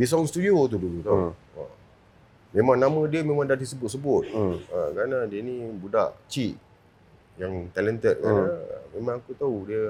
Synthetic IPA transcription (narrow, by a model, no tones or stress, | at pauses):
bis̬aunst̪udiot̪̬udulut̪au | ə̰ | mẽmãŋnamə̃diəmẽmãŋdadisəbʊt̪̚səbʊt̪̚əkɾanadiənĩbuda̰ʔt͡ʃiʔ | jaŋt̪alənt̪ət̪̚kanaə̰mẽmãŋakut̪audiə